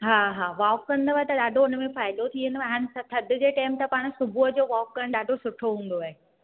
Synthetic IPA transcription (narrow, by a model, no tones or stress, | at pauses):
ɦaːɦaːʋaːkːɐ̃nd̪əʋaːet̪ɐɗaːɖʱoʊnə̆mẽfaːɪd̪ot̪ʰiənɪɐɦaːnɪ̆sɐt̪ʰɐd̪ʱʊd͡ʑeːʈaːɪmt̪ɐpaːɽ̃sʊbʱuəd͡ʑoːʋɔːkːɐɽ̃ɗaːɖʱosʊʈʰoɦũːn̆d̪oaːɦe